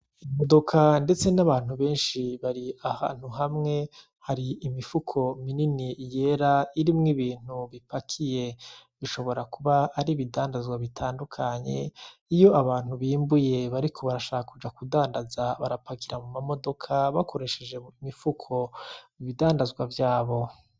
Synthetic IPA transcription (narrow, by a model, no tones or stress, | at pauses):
imo̞dokʰande̞t͡se̞naβaːn̥uβe̞ːnʃiβaɾiaha̰ːn̥uɦamŋe̞ | haɾiːmifukʰo̞mininije̞ɾaiɾimŋiβiːn̥uβipakʰije̞βiʃo̞βo̞ɾakuβaːɾiβidaːndazɡwaβitʰaːndukʰaɲe̞̰ijo̞aβaːn̥huβiːmbuje̞βaɾikʰo̞βaɾaʃaːkakud͡ʒakudaːndazaβa̰ɾapakiɾamumamo̞do̞kʰaβakʰo̞ɾe̞ʃe̞d͡ʒe̞imifukʰo̞miβidaːndazɡwavjaːβo̞